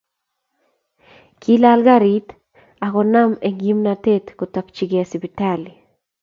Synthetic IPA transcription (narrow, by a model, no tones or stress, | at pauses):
kʰilalɡaɾit̪ | akonameŋɡimnat̪et̪kut̪akt͡ʃiɡesibit̪ali